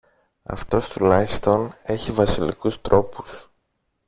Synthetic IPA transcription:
ɐ̰ft̪o̞st̪ulɐçi̥st̪o̞ne̞çivɐsilḭkust̪ɾo̞pu̥s

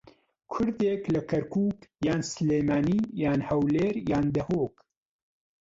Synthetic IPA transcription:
kʰʊɾd̪eːklɐkʰɐɾkʰuːkjaːnsleːmaːniːjaːnhɐwleːɾjaːnd̪ɐhoːk

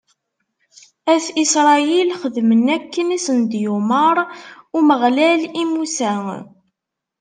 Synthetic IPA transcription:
æθisɾˤɑjilχəðmənækːənisənd̪juməɾˤʊməʁlælimusæ

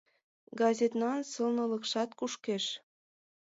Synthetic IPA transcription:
ɡɑzʲet̪nɑnsɤlnɤ̆ləkʃɑt̪kuʃkeʃ

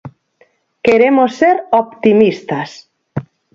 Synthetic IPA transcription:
keɾemosːeɾopt̪imist̪as

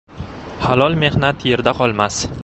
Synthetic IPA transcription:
halˠɒlˠme̞hnat̪je̞ɾd̪aqʰɒlˠmas

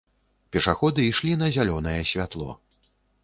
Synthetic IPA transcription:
pʲɛʂaxɔd̪ɨiʂlʲinɐzʲalʲɔnɐjɛsʲvʲat̪lˠɔ̰

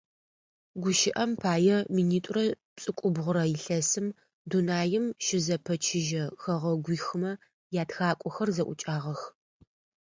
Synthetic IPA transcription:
ɡʷʊʃɪʔɐmpʰaːjɛminiːtʷʼʊrɐ | pt͡sʼɨkʷʼʊbʁʷʊɾɐjɪɬɐsɨm | dunaːjɪmʃɪzɐpʰɐt͡ʃʰɪʒɐxɐʁɐɡʷiːxɨmɐ | jaːtʰxaːkʷʼɔxɐrzɐʔʷʊt͡ʃʼaːʁɐx

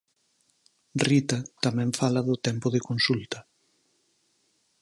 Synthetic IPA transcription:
rit̪ɐt̪amɛ̃ɱfalɐðʊt̪ɛmpʊðɪkonsult̪ɐ

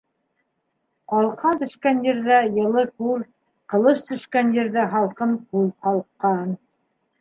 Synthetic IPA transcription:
qɑlˠqɑnt̪ɵ̆ʃkænjɘ̆ɾðæjɤ̆lˠɤkʉl | qɤ̆lˠɤʃt̪ɵ̆ʃkænjɘ̆ɾðæɦɑlˠqɤmkʉlhɑlˠqɑn

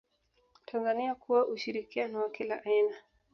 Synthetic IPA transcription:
tʰanzaniakuwaʔuʃiɾikianɔwakilaʔaina

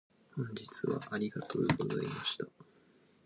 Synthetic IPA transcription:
hõ̞ɲ̟d͡ʑit͡sɨβa̰ʔaɾʲiɡat̪ʰoɡozaimaɕi̥t̪a

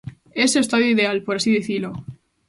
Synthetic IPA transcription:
e̞sest̪aðjoiðe̞alpo̞ɾasiðeθilo

